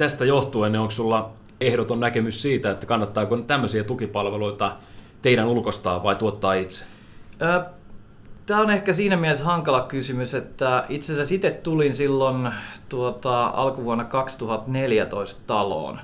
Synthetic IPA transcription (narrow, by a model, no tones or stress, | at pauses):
t̪æst̪æjoht̪uenːeoŋkssulːɑ | ehɾot̪onnækemyssiːt̪æet̪ːæ̥kɑnːɑt̪ːɑːkont̪æmːøsiæt̪ukipɑlʋeloit̪ɑ | t̪eiɾænulkost̪ɑːʋɑit̪uot̪ːɑːit̪se̥ | əː | t̪æːonehkæsiːnæmieheshɑŋkɑlɑkysymyset̪ːæit̪sensæsit̪et̪t̪ulinsilːont̪uot̪ɑɑ̰lkuʋuonːɑkɑkst̪uhɑt̪neljæt̪oist̪t̪ɑlo̰ːn